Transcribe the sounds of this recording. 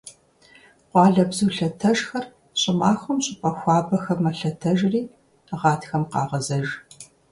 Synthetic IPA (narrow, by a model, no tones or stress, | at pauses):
qʷɑːɮɐbzuːɬɐtʰɐʒxɐr | ɕʼɪmaːxʷʊmɕʼɪpʼɐxʷɑːbɐxɐmɐɬɐtʰɐʒriː | ʁɑːtʰxɐmqɑ̰ːʁɐzɐʒ